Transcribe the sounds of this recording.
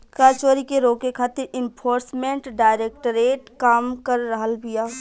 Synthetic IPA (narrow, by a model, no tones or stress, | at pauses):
kɾaːt͡ʃoːɾikeɾoːkekʰaːt̪ɪɾɪ̃npʰoːɾsmẽɳʈɖaːɪɾeːk̚ʈɾeːʈkaːmkəɾːəɦəlbʱijaː